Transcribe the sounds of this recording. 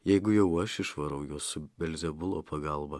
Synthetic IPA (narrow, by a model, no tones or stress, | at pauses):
jɛjɡʊjowɐʃɪʂvɐɾɐwjosɨbɛlʲzɛbʊlˠo̰pʰɐɡaːlˠbɐ